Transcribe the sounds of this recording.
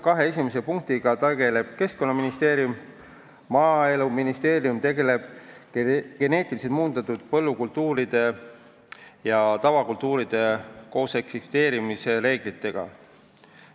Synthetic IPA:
kɑɦe̞e̞s̬ʲimes̬e̞puŋk̚t̪iɡ̥ɑt̪eɡ̥e̞le̞b̥ke̞sko̞nːɑminist̪e̞ːɾiumː | ɑːe̞luminist̪e̞ːɾijumt̪e̞ɡe̞le̞b̥ | ɡ̥e̞ne̞ːt̪ːˑilis̬et̪muːnd̪ɑt̪ːud̪̥̚pɤ̞lːukult̪ːˑuːɾid̪̥e̞ | jɑt̪ɑvɑkult̪ːˑuːɾid̪̥e̞ko̞ːse̞ksist̪e̞ːɾimise̞ɾe̞ːɡ̥lit̪ːe̞ɡ̥ɑ̰

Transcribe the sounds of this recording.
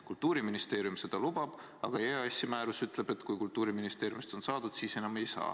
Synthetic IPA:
kult̪ːˑuːɾiminist̪e̞ːɾjumse̞d̪̥ɑlub̥ɑb̥ | ɑɡ̥ɑeeɑsʲːimæːɾusyt̪ːˑle̞b̥e̞t̪ːkujkult̪ːˑuːɾiminist̪e̞ːɾjumist̪o̞nsɑːd̪̥ud̪̥siːse̞nɑme̞jsɑ̰ː

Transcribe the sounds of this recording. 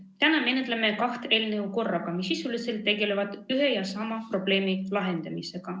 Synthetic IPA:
t̪ænɑme̞net̪leme̞kɑht̪e̞ːlneuko̞rːɑɡ̥ɑmisːisulise̞lt̪ːe̞ɡ̥e̞le̞vɑd̪̥yɦe̞jɑsɑmɑpro̞b̥le̞ːmilɑɦe̞nd̪̥ɑmise̞ɡ̥ɑ

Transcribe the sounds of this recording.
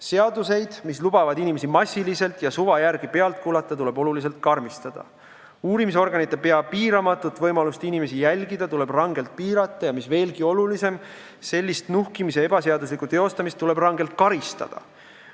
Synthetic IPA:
se̞ɑd̪use̞jd̪̥mislub̥ɑvɑd̪̥inime̞simɑsʲːilise̞lt̪ˑjɑsuvɑjæɾɡ̥ipe̞ɑlt̪̚kuːlɑt̪ːˑɑt̪ule̞bo̞lulis̬e̞lt̪̚kɑrmist̪ɑd̪̥ɑ̰ | uːɾimis̬o̞rɡ̥ɑnit̪ːˑe̞pe̞ɑpiːɾɑmɑt̪ːˑut̪ːˑvɤjmɑlust̪inime̞sijælʲɡid̪̥ɑt̪ule̞b̥rɑŋɡe̞lt̪̚piːɾɑt̪ːˑɑjɑmisve̞ːlɡ̥io̞lulise̞m | se̞lʲːist̪nuhkimis̬eeb̥ɑseɑd̪us̬likˑut̪e̞o̞st̪ɑmist̪ːule̞b̥rɑŋɡe̞lt̪̚kɑɾist̪ɑ̰d̪̥ɑ̰

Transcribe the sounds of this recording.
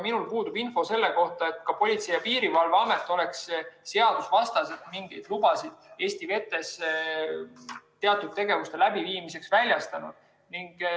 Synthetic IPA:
minulpuːd̪ub̥info̞se̞lːe̞ko̞ht̪ɑe̞t̪ˑkɑpo̞lʲit̪sejɑpiːɾivɑlveɑme̞t̪ːˑo̞le̞ksse̞ɑd̪̥usvɑst̪ɑset̪miŋɡ̥ijd̪̥lub̥ɑsid̪̥e̞ːst̪ive̞t̪ːˑe̞s | t̪ːe̞ɑt̪ːˑud̪̥̚t̪ːe̞ɡe̞vust̪e̞læbiviːmise̞ksvælʲjɑst̪ɑnṵd̪̥ | niŋɡ̥

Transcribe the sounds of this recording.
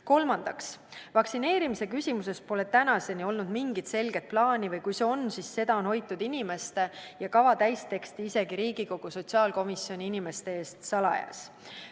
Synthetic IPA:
ko̞lmɑnd̪̥ɑksvɑksine̞ːɾimise̞kysʲimuse̞spo̞le̞t̪ænɑse̞nio̞lnud̪miŋɡ̥it̪se̞lɡ̥e̞t̪̚plɑːnivɤjkujse̞o̞nsisːe̞d̪̥ɑo̞nho̞jt̪ːˑud̪̥inime̞st̪e̞jɑkɑvɑt̪æjst̪e̞kst̪iise̞ɡ̥iɾiːɡ̥iko̞ɡ̥uso̞t̪siɑːlko̞misjo̞nʲiinime̞st̪e̞e̞ːst̪sɑlɑ̰jɑ̰s

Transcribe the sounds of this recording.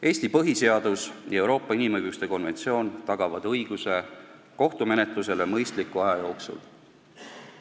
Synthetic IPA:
e̞ːst̪ipɤɦise̞ɑd̪̥usjɑe̞wɾo̞ːpːˑɑinimɤjɡust̪e̞ko̞nve̞nʲt̪sio̞ːnt̪ɑɡ̥ɑvɑd̪̥ɤjɡ̥use̞ | ko̞ht̪ume̞net̪ˑluse̞lemɤjst̪likːˑuɑjɑjo̞ːksṵl

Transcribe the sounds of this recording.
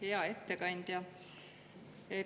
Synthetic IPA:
e̞ɑe̞t̪ːe̞kɑnʲd̪̥jɑ | e

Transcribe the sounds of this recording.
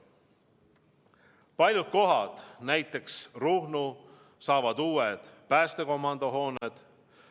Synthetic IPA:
pɑlʲjut̪̚ko̞ɦɑd̪̥næjt̪ːˑe̞ksruhnu | sɑːvɑd̪uːed̪̥pæːst̪e̞ko̞mɑnd̪̥o̞ɦo̞ːned̪̥

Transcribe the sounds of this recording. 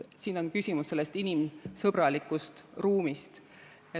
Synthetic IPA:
siːno̞nkysʲimusːe̞lːest̪inimsɤbɾɑlikːˑust̪ruːmist̪ | e

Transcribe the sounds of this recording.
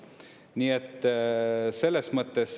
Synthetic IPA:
niːet̪ː | se̞lːesmɤt̪ːes

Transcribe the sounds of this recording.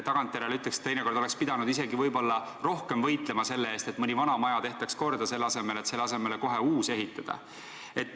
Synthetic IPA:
t̪ɑɡ̥ɑnt̪ˑjeɾelyt̪lekse̥t̪ːejneko̞rd̪oekspid̪ɑnud̪ise̞ɡivɤjbo̞lːɑ | ro̞hke̞mvɤjt̪ˑle̞mɑse̞lːeeːst̪e̞t̪mɤnʲivɑnɑmɑjɑt̪e̞ht̪ɑksko̞rd̪̥ɑse̞lːɑse̞me̞le̞t̪se̞lːeɑse̞me̞leko̞ɦe̞uːse̞ɦit̪ːˑɑd̪̥ɑ̰ | e̞t̪ːˑ

